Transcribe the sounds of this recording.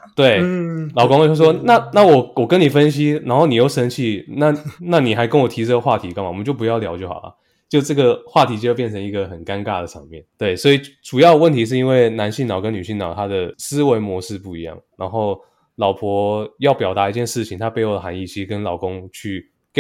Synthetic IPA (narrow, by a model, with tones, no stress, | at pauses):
t̪we˥˩ɪlɑ˨˩ʊkʊ˥ŋ˥˩ʂwɔ˥na˥˩na˥˩wɔ˨˩wɔ˨˩kə˦ni˨˩fə˦˥nɕi˥na˧˥nxo˥˩ʊni˨˩jo˧˥ʊʂə˧˥ŋt͡ɕʰi˥˧˩na˥˨na˥˩ni˨˩xa˧˥ɪkə˥nwɔ˨˩t̪ʰi˧˥ʈ͡ʂɤ˥˩ɡə˩xwa˥˩t̪ʰi˧˥ka˥ŋma˨mə˦t͡ɕjo˥˩pu˧jɑ˥˩ʊljɑ˧ʊt͡ɕy˥˩xɑ̰˨˩ʊlɐ̰˨˩ | t͡ɕjo˥˧ʊʈ͡ʂɤ˥˩ɡə˨˩xwa˥˩t̪ʰi˧˥t͡ɕjpjɛ˥˩nt͡sʰɤ˧˥ŋi˧˥ɡə˨xə˨˩nka˥nka˥˩d̪ə˩ʈ͡ʂʰɤ˧˥ŋmjɛ˥˩nt̪we˥˩ɪswɔ˧˥i˨˩ʈ͡ʂu˨˩jɑ˥˩ʊd̪ə˧wə˥˨nt̪ʰi˧˥ʂ̬ɻ̩˥˩i˥nwe˥˩ɪna˧˥nɕi˥˩nɑ˨˩ʊkə˦˥ny˨˩ɕi˥˩ŋnɑ˨˩ʊt̪ʰa˥d̪ə˨s̩˥we˧˥ɪmwɔ˧˥ʂɻ̩˥˧pu˥˩i˧˥jɑ̰˥˩ŋna˧˥nxo˥˩ʊ | lɑ˨˩ʊpʰwɔ˧˥jɑ˥˩ʊpjɑ˨˩ʊt̪a˧˦i˧t͡ɕjɛ˥˧nʂɻ̩˥˩t͡ɕʰi˨˩ŋt̪ʰa˥pe˧˥ɪo˨˩d̪ə˩xa˧˥ni˥˩t͡ɕʰi˧˥ʂ̩˥˧kə˦nlɑ˨˩ʊkʊ˦˥ŋt͡ɕʰy˥˩ | k